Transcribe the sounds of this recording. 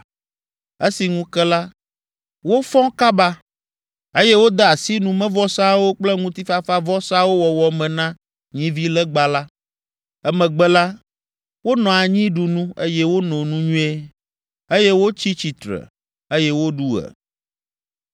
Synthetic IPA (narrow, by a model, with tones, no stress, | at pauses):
e˦si˨ŋũ˦kɛ˦la˦ | wo˦fɔ̃˦ka˦ba˦ | e˦jɛ˦wo˦d̪ɛ˦a˨si˦nũ˨mɛ̃˦vɔ˦sa˦wo˦k͡plɛ˦ŋũ˦t̪i˦fa˦fa˦vɔ˦sa˦wo˦wɔ˨wɔ˨mɛ̃˨nã˦ | ɲĩ˦vi˦lɛ˦ɡ͡ba˨la˦ | ɛ˦mɛ̃˨ɡ͡bɛ˦la˦ | wo˦nɔ̃˨a˨ɲĩ˦ɖu˨nũ˦e˦jɛ˦wo˦nɔ̃˨nũ˦ɲũ˦e˦ | e˦jɛ˦wo˦t͡ɕi˦t͡ɕi˨t̪ɾɛ̰˨ | e˦jɛ˦wo˦ɖu˦ɛ̰˨